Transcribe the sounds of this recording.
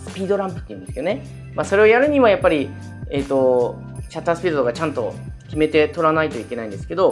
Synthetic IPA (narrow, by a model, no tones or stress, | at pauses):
sɨ̥pʲiːd̪o̞ɾãmpɯ̟̥t̪ːeiɯ̟̃nd̪esɨjo̞ne | maso̞ɾe̞o̞jaɾɯ̟ɲ̟iβajapːaɾʲi | e̞ːt̪ːo̞ | ɕat̪ːaːsɨ̥pʲiːd̪od̪oɡat͡ɕãnt̪o̞kʲime̞t̪e̞t̪o̞ɾanait̪o̞ikʲe̞naĩnd̪esɨ̥ke̞d̪o̞